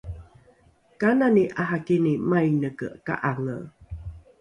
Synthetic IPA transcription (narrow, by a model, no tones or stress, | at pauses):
kananiʔaɦakinimajnəkə̰ka̰ʔalə̰